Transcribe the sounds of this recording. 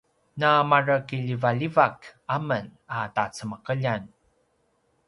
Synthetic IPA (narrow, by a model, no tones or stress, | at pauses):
namarəkiʎivaʎivakamənatat͡səməqəʎan